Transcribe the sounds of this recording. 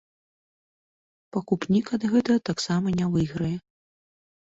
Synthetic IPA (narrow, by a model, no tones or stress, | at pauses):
pɐkupnʲikɐd̪ɣɛt̪ɐɣɐt̪aksamɐnʲavɨjɣɾɐjɛ